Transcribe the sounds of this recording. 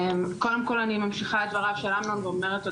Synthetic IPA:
mko̞demko̞lanimamʃiχaetvaʁavʃelamlamveomeʁeto

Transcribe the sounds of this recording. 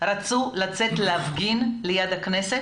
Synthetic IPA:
ʁat͡sulat͡set̪leafɡinlejad̪aknese

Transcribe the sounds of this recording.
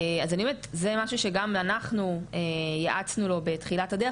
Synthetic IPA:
azanimet̪ze̞maʃuʃe̞ɡamanaχnuejaʔat͡snulo̞be̞tχilatad̪e

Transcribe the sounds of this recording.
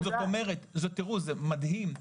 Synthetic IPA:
zot̪o̞meʁet̪zot̪ːiʁuzemad̪him

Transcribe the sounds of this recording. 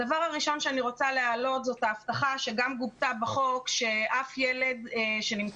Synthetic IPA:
davaʁhaʁiʃo̞nʃeaniʁo̞t͡salealo̞t̪zo̞t̪aːft̪aχaʃe̞ɡamɡubt̪abaχo̞kʃe̞ʔafjele̞d̪ʃenim

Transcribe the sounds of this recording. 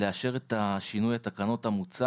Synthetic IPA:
leaʃe̞ʁe̞t̪aʃinujat̪akano̞tamut͡sa

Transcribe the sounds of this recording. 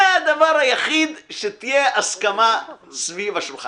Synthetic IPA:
ead̪avaʁhajaχid̪ʃet̪ijeaskamasvivaʃimχa

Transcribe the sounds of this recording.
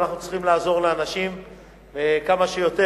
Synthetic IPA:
naχnut͡s̪liχimlaːzo̞ʁleanaʃim | vekamaʃejo̞t̪e

